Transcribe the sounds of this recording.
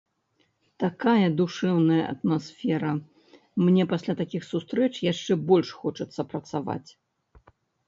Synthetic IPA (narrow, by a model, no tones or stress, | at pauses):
t̪akajɐd̪uʂɛwnɐjɐʔɐ̰t̪masfʲɛɾɐ | mnʲɛpasʲlʲat̪akʲixsust̪ɾɛt͡ʂjaʂt͡ʂɛbɔlʲʂxɔt͡ʂɐt̪sːɐpɾɐt̪sava̰t͡sʲ